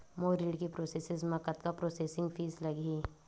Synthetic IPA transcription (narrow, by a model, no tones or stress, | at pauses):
moːɾiːɖkipɾoːseːsɪzmɐkət̪kapɾoːseːsɪ̃ŋɡpʰiːzlɐɡiː